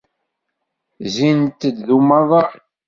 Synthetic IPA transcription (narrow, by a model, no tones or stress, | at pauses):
zint̪ːəd̪ðumɑðˤɑ